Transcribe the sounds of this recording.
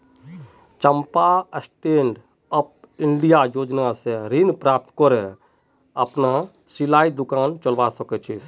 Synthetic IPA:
t͡ʃəmpaəsʈeːɳɖ | əp̚ | ɪɳɖijajoːd͡ʒnaseɾinpɾaːp̚t̪kɔɾe | əpna | silaːid̪ʊkaːnt͡ʃəlʋasəket͡ʃʰi

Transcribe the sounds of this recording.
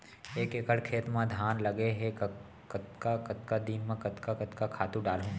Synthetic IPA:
eːkeːkəɽkʰeːt̪mãd̪ʱjaːnlɐɡeɦek | kɐt̪kakɐt̪kad̪inmẽkɐt̪kakɐt̪kakʰaːt̪ũɖaːlɦũː

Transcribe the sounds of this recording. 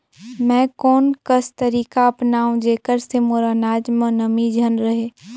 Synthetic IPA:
mɛ̃ːkɔːnkəst̪əɾiːkaɐpnaːũd͡ʒeːkəɾsemoːɾanaːd͡ʒmə̃nəmid͡ʒʱənɾɐɦeː

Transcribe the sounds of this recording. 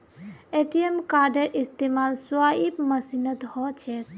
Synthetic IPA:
eʈijemkaɾɖeɾʔist̪emaːlsuaipməsinət̪ɦɔt͡ʃʰɛ

